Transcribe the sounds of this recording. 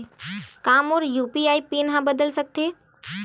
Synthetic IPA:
kãːmoːɾjuːpiaːipiːnɦãbəd̪əlsək̚t̪eː

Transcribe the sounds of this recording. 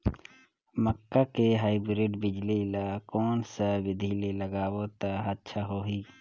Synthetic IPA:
məkːakeɦaːibɾɪɖbɪd͡ʒlilakɔːnsaʋɪd̪ʱililəɡaːwot̪aɦət̪ːʃʰaɦoːɦiː

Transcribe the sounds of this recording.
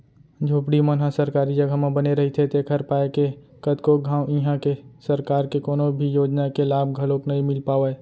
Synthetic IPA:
d͡ʒʱoːpɽimənɦasəɾkaːɾid͡ʒəɡʱamãbəneɾɐɦit̪ʰet̪ekʰəɾpaːeke | kəd̪koɡʱãːwiɦãkesəɾkaːɾkekoːnobʱijoːd͡ʒnakelaːbʱɡʱəloːknɐɦĩmɪlpaːʋeː

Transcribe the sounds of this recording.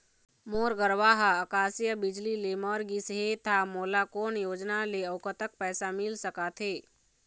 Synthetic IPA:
moːɾɡəɾʋaːɦaəkaːsijəbɪd͡ʒlilemɔːɾɡisɦet̪ʰamoːlakoːnjoːd͡ʒnaleəʊkət̪ək̚pɛːsamɪlsəkat̪ʰeː

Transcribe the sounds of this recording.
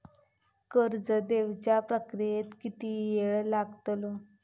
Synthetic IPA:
kəɾd͡zəd̪eʋt͡ɕjapɾəkɾiet̪kit̪ijeɭlaɡt̪lo

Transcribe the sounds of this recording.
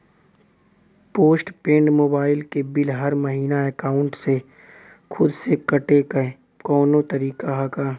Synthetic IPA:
poːsʈpẽːɳɖmoːbaːɪlkebɪlɦɐɾmɐɦiːnaeːkaːʊ̃ɳʈse | xʰʊd̪sekɐʈekː | kɔːnõt̪ɐɾiːkaɦɐkaː

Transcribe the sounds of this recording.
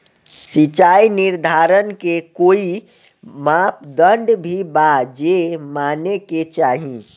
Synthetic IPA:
sit͡ʃaːinɪɾd̪ʱaːɾənkekoːi | mãːp̚d̪ə̃ɳɖbʱibad͡ʒemaːneket͡ʃaːɦĩ

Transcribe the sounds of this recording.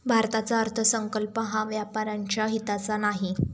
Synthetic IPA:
bʱaɾt̪at͡saəɾt̪ʰəsəŋkəlpəɦãʋjapaɾaɲt͡ɕjaɦit̪at͡sanaɦi

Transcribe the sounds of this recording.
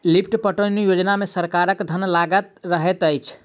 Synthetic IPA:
lip̚ʰʈpəʈənijod͡ʒnamesəɾkaɾəkd̪ʱənlaɡət̪̚ɾəɦɛt̪əjt͡ʃʰ

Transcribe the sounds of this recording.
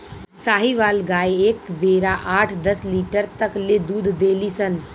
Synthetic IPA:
saːɦiʋaːlɡaːjeːkbeɾaʔaːʈʰd̪əsliːʈəɾt̪əkled̪uːd̪ʱd̪eːlisən

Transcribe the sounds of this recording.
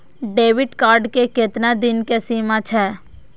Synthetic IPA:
ɖeːʋɪʈkaːɾɖkekɪt̪nad̪ɪnkesiːmat͡ʃʰɛː

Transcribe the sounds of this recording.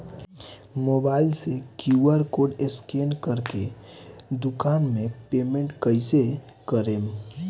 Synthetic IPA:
moːbaːɪlsekjuəɾkoːɖɪskeːnkəɾke | d̪ʊkaːnmẽpeːmẽɳʈkəɪsekəɾeːm

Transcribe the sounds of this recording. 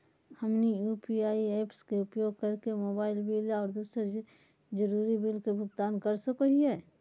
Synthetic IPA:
hɐmnijuːpiaːieːpskeʊpjoːɡ̚kɐɾkemoːbaːɪlbɪlɔːɾd̪uːseɾ | d͡ʒəɾuːɾibɪlkebʱʊɡt̪aːnkɐɾsɐkoɦiɦɛː

